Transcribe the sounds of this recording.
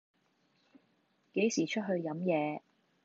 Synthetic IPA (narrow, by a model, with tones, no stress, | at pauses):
ke˨˥jsiː˨˩t͡ʃʰɵ˥t̚ɦɵ˧ɥjɐ˨˥mjɛː˨˧